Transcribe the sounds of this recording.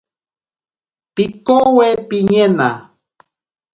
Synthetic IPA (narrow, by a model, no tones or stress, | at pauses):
pikowepiɲena̰